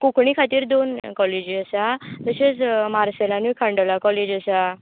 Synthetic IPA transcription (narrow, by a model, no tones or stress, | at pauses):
kukɳikʰat̪iːɾd̪onkɔled͡ʑiəsat̪əset͡smaɾselanujkʰãɳɖəlakɔled͡ʑəsa